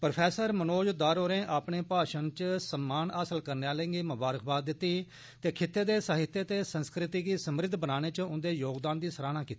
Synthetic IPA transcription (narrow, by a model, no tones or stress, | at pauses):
pɾpʰɛːsəɾmənoːd͡ʒd̪aːɾoːɾẽːʔaːpneːpaːʃənt͡ʃəsəmːaːnaːsəlkəɾneaːləɪ̃ŋɡeːmʊbaːɾəkʰbaːd̪̚ːɪt̪ːiː | t̪eːkʰɪt̪ːeːd̪eːsəɦɪt̪jeːt̪eːsənskɾɪt̪iːɡiːsəmɾɪd̪ʱbənaːɽ̃eːt͡ʃʊnd̪eːjoːɡd̪aːnd̪iːsəɾaːnaːkiːt̪i̥